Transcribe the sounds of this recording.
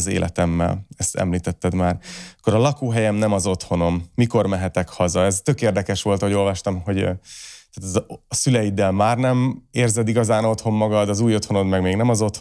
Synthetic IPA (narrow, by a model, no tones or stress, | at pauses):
zḛːlʔɛ̰t̪ɛmːɛ̰lɛst̪ɛ̰mliːt̪ɛt̪ːɛd̪maːrɒkːoɾɒlɒkoːɦɛjɛmnɛmɒzo̞t̪ho̞no̞mːiko̞rmɛɦɛt̪ɛkhɒzɒɛzt̪ø̞keːrd̪ɛkɛʃʋo̞lt̪ho̞ɟo̞lvɒʃt̪ɒmɦo̞ɟt̪aːt̪zsylɛjid̪ɛlmaːrnɛmeːrzɛd̪iɡɒzaːno̞t̪ho̞mːɒɡɒd̪ɒzuːjo̞t̪ho̞no̞d̪mɛɡmeːɡnɛmɒzo̞t̪h